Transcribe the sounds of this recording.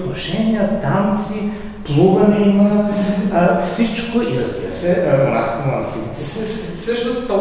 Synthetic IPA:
t̪noʃɛnijət̪ant̪si | plˠuɣɐnɛimɐ | fsit͡ʃkoiɾɐzbḭɾɐsɛʔmona̰si̥t̪ɛmˠɐnxit̪t̪ | səʃt̪ost̪ɔ

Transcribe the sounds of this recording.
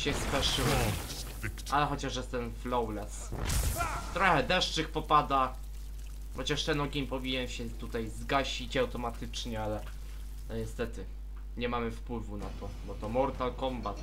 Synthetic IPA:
ɕɛspɛʂɘwɔ | ʔalɛxɔt͡ɕaʂjɛst̪ɛnflɔwlɛs | t̪ɾɔxɛd̪ɛʂt͡ʂɘxpɔpad̪a | xɔt͡ɕaʂt̪ɛnɔɡʲiɲpɔvʲiɲɛnɕɛt̪ut̪ajzɡaɕit͡ɕawt̪ɔmat̪ɘt͡ʂɲɛalɛ | ɛɲɛst̪ɛt̪ɘ | ɲɛmamɘfpwɘvunat̪ɔ | bɔt̪ɔmɔɾt̪alkɔmbat̪

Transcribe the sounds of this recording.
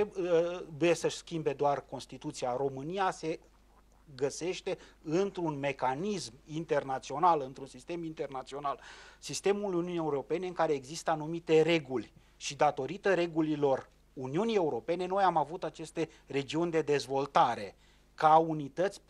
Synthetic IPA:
ebuje̞səʃʲskʲimbe̞d̪oarko̞nst̪it̪ut̪sijaɾo̞mɨnijase̞ | ɡəse̞ʃt̪e̞ɨnt̪ɾunme̞kanismint̪e̞rnat̪sio̞nalɨnt̪ɾunsist̪e̞mint̪e̞rnat̪sio̞nalsist̪e̞muluniunie̞uɾo̞pe̞ne̞ɨŋkaɾe̞ːɡzist̪əanumit̪e̞re̞ɡulʲ | ʃid̪at̪o̞ɾit̪əɾe̞ɡulilo̞r | uniunie̞uɾo̞pe̞ne̞no̞jamavut̪at͡ʃe̞st̪e̞ | re̞d͡ʒiunʲd̪e̞d̪e̞zvo̞lt̪aɾe̞ | kaunit̪ət̪sʲ

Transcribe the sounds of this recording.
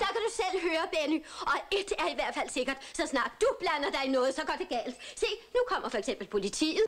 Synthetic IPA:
d̥ɑ̈kæd̥usel̰ɦøːɐb̥enyɒ̽e̝d̥æɐiʋæɐd̥fæl̰se̝ɡ̥ɐd̥sɒ̽snɑ̰̈ːd̥ːub̥lænɐd̥ɑ̈ɪnɔ̽ːð̞̩ˠsɒ̽ɡ̥ɒd̥e̝ɡ̥ɛ̰ːld̥se̝̰ːnukʰɒ̽m̰ɐfɒ̽eɡ̥sem̰b̥l̩pʰo̝lit͡sʰḭːð̩ˠ

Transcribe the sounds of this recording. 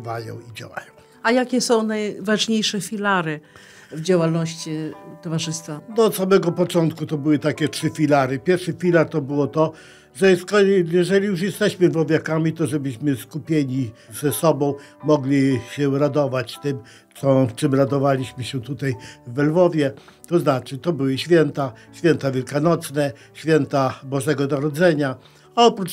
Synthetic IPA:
vajɔ̰̃w̃id͡ʑa̰wa̰jɔ̃w̃ | ajakʲɛsɔ̃w̃najvaʐɲejʂɛfʲilaɾɘ | vd͡ʑawalnɔɕt͡ɕit̪ɔvaʐɘst̪fad̪ɔːt̪samɛɡɔpɔt͡ʂɔnt̪kut̪ɔbɘwɘt̪akʲɛtʂɘfʲilaɾɨpʲjɛɾfʂɛfʲilaɾt̪ɔbɘwɔt̪ɔ | ʐɛjɛskɔjɛʐɛlʲijuʂ̬jɛst̪ɛɕmɘlvɔvʲjakamʲit̪ɔʐɛbɘɕmɘskupʲjeɲiz̥ɛsɔbɔ̃w̃mɔɡlʲiɕɛɾad̪ɔvat͡ɕt̪ɘm | sɔt͡ʂɘmɾad̪ɔvalʲiɕmɘɕɛt̪ut̪ajvːɛlvɔvʲjɛt̪ɔznat͡ʂɘt̪ɔbɘwɘɕfʲjɛnt̪aɕfʲjɛnt̪avʲjɛlkanɔt̪snɛɕfʲjɛnt̪abɔʐɛɡɔnaɾɔd̪zɛɲa | aɔpɾut͡ʂ

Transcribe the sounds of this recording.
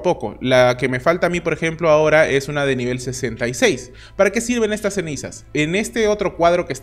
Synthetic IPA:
po̞ko̞̰lake̞me̞falt̪aːmipo̞ɾe̞xe̞mplo̞ao̞ɾaʔe̞sunaðe̞niβ̞e̞lse̞se̞nt̪ajse̞js | paɾake̞siɾβe̞ne̞st̪asːe̞nisa̰sene̞st̪e̞o̞t̪ɾo̞kwaðɾo̞ke̞s

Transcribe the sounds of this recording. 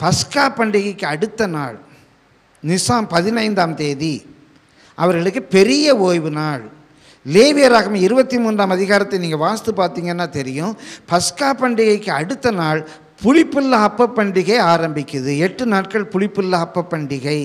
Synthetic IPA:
pɐskaːpːɐɳɖɪɣɐɪkːɯɐɽɯt̪ːɐnaːɭ | nɪsaːmpɐðɪnɐɪnd̪aːmt̪eːði | ʔɐʋɐɾɣɐɭɯkːɯpɛɾɪjɐoːjʋɯnaːɭ | leːʋɪjɐɾaːɣɐmɐɪɾɯbɐt̪ːimuːnraːmɐðɪɣaːɾɐt̪ːɐɪniːŋɡɐʋaːst̪ɯpaːɾt̪iːŋɡɐnːaːt̪ɛɾɪjʊ̃pɐskaːpːɐɳɖɪɣɐɪkːɯɐɽɯt̪ːɐnaːɭ | pʊɻɪpːɯlːaːpːɐpːɐɳɖɪɣɐɪaːɾɐmbɪkʲːɯðɯɛʈːɯnaːʈ̚kɐɭpʊɻɪpːɯlːaːpːɐpːɐɳɖɪɣɐɪ

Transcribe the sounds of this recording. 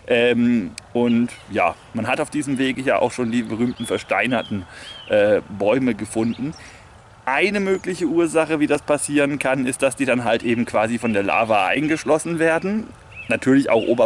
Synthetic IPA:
ʔɛːmʔʊntja̰ː | manɦataʊfd̥iːzəmveːɡəja̰ːʔa̰ʊxʃoːndiːbəʁyːmtn̩fɛɐʃta̰ɪnɐtn̩ʔɛːbɔʏməɡəfʊndn̩ | ʔaɪnəmøːklɪçəuːɐzaχəviːdaspʰasiːʁ̞ənkʰanɪst̚d̥asd̥iːdanɦaltʔeːbm̩kv̥aːzifɔndeːɐla̰ːvaʔa̰ɪnɡəʃlɔsn̩veːɐdn̩ | natʰyːɐlɪça̰ʊxʔoːbɐ

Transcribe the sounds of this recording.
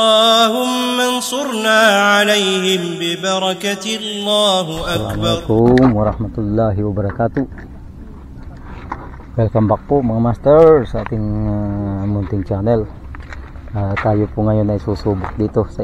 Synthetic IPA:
ɑːhʊmːansʊɾnaːʕalejhɪmbɪbɑɾˤɑkat̪lːaːɦalamalakʊmwaɾɑhmat̪ulːaɦiwabaɾakat̪u | wɛlkambak̚poʔmaŋamast̪ərsat̪ɪŋəmunt̪ɪŋt͡ʃanɛl | ət̪ajupuŋajonaisusubuk̚dit̪uhsa

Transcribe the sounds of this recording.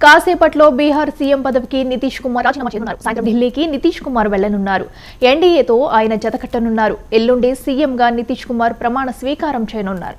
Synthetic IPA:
kaːsɛːpɐʈlo̞ːbiːɦaːɾsiːjempɐd̪ɐʋikinit̪iːʂkumaːɾnmːd̪ʱilːiːkinit̪iːʂkumaːɾʋɛɭːɐnunːaːɾṵ | eɳɖiːeːt̪o̞ːaːjɐnɐd͡ʒɐt̪ɐkɐʈːɐnunːaːɾuelːuɳɖesiːemɡaːnit̪iːʂkumaːɾpɾɐmaːɳɐsʋiːkaːɾɐmt͡ʃejɐnunːa̰ːɾu

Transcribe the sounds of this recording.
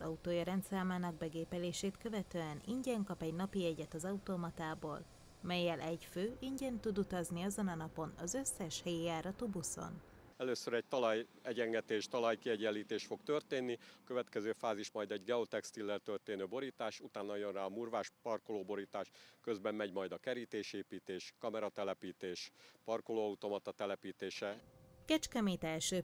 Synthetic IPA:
ɒzɒut̪oːjɒɾɛnt̪saːmaːnɒɡ̚bɛɡeːpɛleːʃeːt̪kø̞vɛt̪øːɛniɲɟɛŋkɒpɛɟnɒpiɛɟɛt̪ɒzɒut̪omɒt̪aːboːl | mɛjːɛlʔɛɟføːʔiɲɟɛnt̪ud̪ut̪ɒzniɒzonɒnɒpo̞nɒzø̞sːɛʃhɛjijaːɾɒt̪ubuso̞̰n | ɛløːsøɾɛɟ̚t̪ɒlɒjɛɟɛŋɡɛt̪eːʃt̪ɒlɒjkiɛɟɛlːiːt̪eːʃt̪fo̞kt̪ørt̪eːnːiɒkøvɛt̪kɛzøːfaːziʃmɒjd̪ɛɟɡɛot̪ɛkst̪ilːɛrt̪ørt̪eːnøːbo̞ɾiːt̪aːʃut̪aːnːɒjonraːɒmuːrvaːʃpɒrkoloːbo̞ɾiːt̪aːʃkø̞zbɛmːɛɟmɒjd̪ɒkɛɾiːt̪eːʃeːpiːt̪eːʃkɒmɛɾɒt̪ɛlɛpiːt̪eːʃpɒrkoloːɒut̪o̞mɒt̪ɒt̪ɛlɛpiːt̪eːʃɛkɛt͡ʃkɛmeːt̪ɛlʃøː

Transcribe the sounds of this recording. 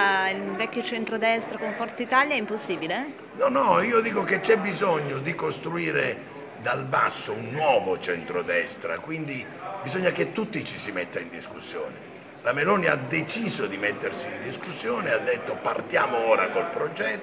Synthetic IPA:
ilvɛkʲːjot͡ʃɛnt̪ɾod̪ɛst̪ɾakoɱfɔrt̪sait̪aljaɛimposːiːbile | nɔnɔiːod̪iːkoket͡ʃɛbːizoɲːod̪ikost̪ɾuiːɾe | d̪albasːounːwɔːvot͡ʃɛnt̪ɾod̪ɛst̪ɾa̰kwind̪i | bizɔɲːaket̪ːut̪ːit͡ʃisimɛt̪ːaind̪iskusːjɔ̰ːne | lamelɔːniad̪et͡ʃiːzod̪imet̪ːersiːnd̪iskusːjɔːnead̪ːet̪ːopart̪jaːmoɔːɾakolpɾod͡ʒɛt̪ː

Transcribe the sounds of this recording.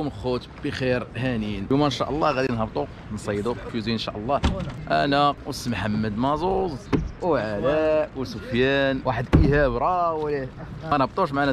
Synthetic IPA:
umlxʊt̪b̥əxiɾhæninumænʃæ̰ʔəlˤːɑɣæd̪inhɑbt̪ˤu | nsˤɑjːd̪ukfuziənʃæʔəlˤːɑʔæ̰nɑqwəsəmħamːəd̪mɑzˤuzˤwʕalæwsufjænwaħəd̪ʔihæbɾˤɑwlimænhəbt̪ˤuʃ̬maʕn

